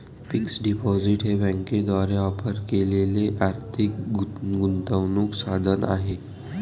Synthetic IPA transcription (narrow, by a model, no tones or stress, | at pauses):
fiksɖipɔziʈɦebɛ̃ŋked̪aɾeɔpəɾkeleleʔaɾt̪ʰik̚ɡunt̪əʋnuksad̪ʱəna̰ɦe